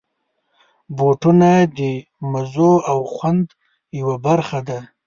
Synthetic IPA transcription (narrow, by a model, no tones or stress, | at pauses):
boʈunad̪ə | mazoawxwand̪ | jawabaɾxad̪a